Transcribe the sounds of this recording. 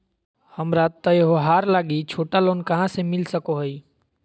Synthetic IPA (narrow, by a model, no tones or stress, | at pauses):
həmɾat̪əjɦoɦaːɾlaːɡit͡ʃʰoːʈaloːnkəɦãsemɪlsəkoɦəi